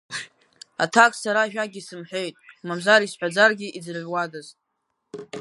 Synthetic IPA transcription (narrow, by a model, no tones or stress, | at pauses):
a̰tʰakʼsaɾaʒᶣaɡʲisɨmħʷᶣe̞jtʼmamzaɾisħʷᶣad͡zarɡʲiʔid͡zrʕʷwadaztʼ